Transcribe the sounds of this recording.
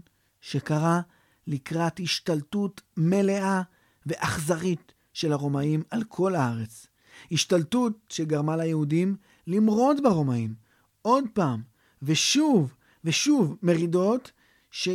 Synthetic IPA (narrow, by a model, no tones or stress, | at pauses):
ʃe̞kaʁa | likʁathiʃtaltutme̞le̞ʔa | ve̞ʔaχzaʁit | ʃe̞laʁo̞maimalkʰo̞laaʁe̞t͡s | hiʃtaltutʃeɡaʁmalajehudim | limʁo̞tbaʁo̞maim | o̞d̪̚paːm | veʃuv | veʃuvme̞ʁido̞t | ʃe